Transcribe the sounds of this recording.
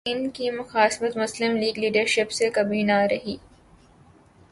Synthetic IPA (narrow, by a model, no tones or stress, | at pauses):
ɪnkimʊxaːsmət̪mʊslɪmliːɡliːɖəɾʃɪpsekɐbiːnaːɾɐɦiː